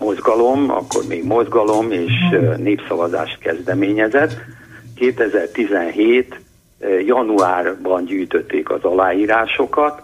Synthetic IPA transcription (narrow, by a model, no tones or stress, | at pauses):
mo̞zɡɒlo̞mɒ̰kːo̞̰rmeːɡmo̞zɡɒlo̞meːʃneːpsɒvɒza̰ːʃt̪̚kɛzd̪ɛmeːɲɛzɛt̪ː | keːt̪ɛzɛrt̪izɛnɦeːt̪ | jɒnuaːrbɒnɟyːjt̪ø̞t̪ːeːkɒ̰zɒlaːjiːɾaːʃo̞kɒt̪